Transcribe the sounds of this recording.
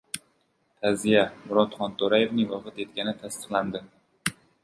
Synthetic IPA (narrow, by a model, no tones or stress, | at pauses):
t̪ʰazijamʊɾɒt̪χɒnt̪ʰoɾaje̞vnɪŋvɒqɨt̪e̞t̪̚kʲanɪt̪ʰast̪ɨ̥qlˠand̪ɪ